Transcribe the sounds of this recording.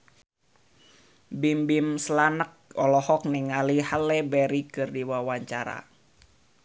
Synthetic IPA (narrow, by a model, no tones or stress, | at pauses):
bimbimslanək̚ɔlɔhɔk̚niŋalihalɛbɛɾikɨrdiwawaɲt͡ʃaɾa̰